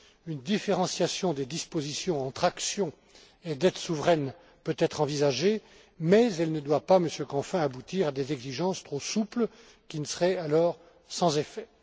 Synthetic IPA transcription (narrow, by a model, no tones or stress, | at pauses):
ynd̪ifeʁɑ̃sjasjɔ̃d̪ed̪ispozisjɔ̃ɑ̃t̪χaksjɔ̃ | ed̪ɛt̪suvʁɛn | pøt̪ɛt̪χɑ̃vizaʒe | mɛzɛlnəd̪wapaməsjøkɑ̃fɛ̃abut̪iʁad̪ezɛɡziʒɑ̃st̪χosupl | kʲinəsəʁɛalɔːʁ | sɑ̃zefɛ